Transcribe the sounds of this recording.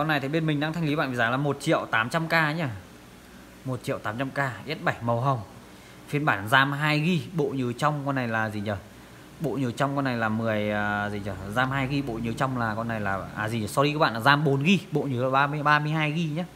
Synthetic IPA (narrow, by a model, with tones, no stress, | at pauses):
kɔ˧na˨˩jt̪ʰi˨˩ɓe˧nmï˨˩ŋ̟ɗaː˧ŋt̪ʰjŋli˨˦ɓa̰ː˧˨nvi˨aː˨˦laː˨˩mo˨˩t̚t͡ɕḭ˧˨əwt̪aː˨˦mt͡ɕa˧mkaː˧˦ɲaː˧˩ | mo˨˩t̚t͡ɕḭ˧˨ə˨wt̪aː˨˦mt͡ɕa˧mkaː˧ʔi˦˥t̚ɓa˧˩jmə˨˩wɦə˨˩wŋ͡m | fi˧ənɓaː˧˩nzaː˧mɦaː˧jɣi˧ɓo̰˧˨ɲɨ˨˦t͡ɕɔ˧wŋ͡mkɔ˧nːa˨˩jlaː˨˩zi˨˩ɲə˨˩ | ɓo̰˧˨ɲɨ˨˦t͡ɕwŋ͡mkɔ˧nːa˨˩jlaː˨˩mɨ˨˩əjzi˨˩ɲə˨˩zaː˧mɦaː˧jɣi˧ɓo̰˧˨ɲɨ˨˦t͡ɕɔ˧wŋ͡mlaː˨˩kɔ˧nːa˨˩jlaː˨˩ʔaː˨˩zi˨˩ɲə˨˩sɔ˧iː˧˦ɓa̰ː˧˨lːzaː˧mɓo˨˦nɣi˧ɓo̰˧˨ɲɨ˨˦lːɓaː˧m˧ɓaː˧mɨ˧əjhɦaː˧jɣi˧ɲaː˨˦